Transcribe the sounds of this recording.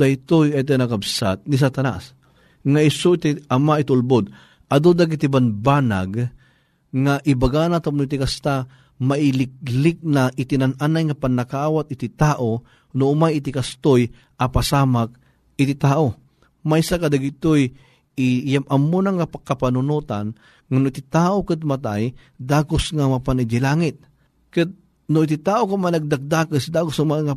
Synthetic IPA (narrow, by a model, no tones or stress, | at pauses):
ajt̪ojat̪̬inakabsat̪̚nis̬at̪ana̰s | ŋaɪsoit̪iʔamaʔɪt̪ʊlbod̪ | ʔɐd̪od̪aɡit̪ibanbaːna̰ɡ | ŋaʔibaɡanat̪amnoit̪̬ikast̪a | maʔɪlɪk̚lɪk̚naʔɪt̪inanʔanajŋapanːakaaːwat̪̚ɪt̪ɪt̪aːʔo | nʊʊmajɪt̪ɪkast̪oj | ʔɐpasaːmak̚ | ɪt̪it̪aːʔo | maisakad̪aɡit̪oj | ɪjamɐmːonaŋapakːɐpanʊnut̪an | ŋanʊʔit̪ɪt̪aːʔokɨt̪̚mat̪a̰j | d̪aːɡʊsŋamapanid͡ʒɪlaːŋɪt̪̚ | kɨt̪̚ | nʊit̪it̪aːʔokamajnɐɡ̚d̪ak̚d̪aːkɨsd̪aːɡʊsmaŋa